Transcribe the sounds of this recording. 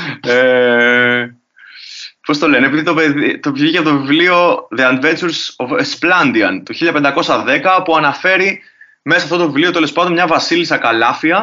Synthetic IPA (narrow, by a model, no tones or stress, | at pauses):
e | po̞st̪o̞le̞neepiðit̪opeðit̪opçicɐpot̪ovivlio̞ðeɐnve̞nt͡suɾsoesplɐnd̪iɐ̰nt̪uçiʎɐpend̪ɐko̞sɐðe̞kɐpuɐnɐfe̞ɾi | mesɐft̪ot̪o̞vivlio̞t̪e̞le̞spɐnd̪omɲɐvɐsilisɐkɐlɐfiɐ